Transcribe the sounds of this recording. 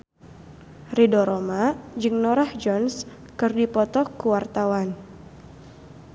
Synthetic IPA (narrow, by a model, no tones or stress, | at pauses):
ridɔɾomad͡ʒɨŋnɔɾahd͡ʒɔns | kɨrdipɔt̪ɔkuwart̪awan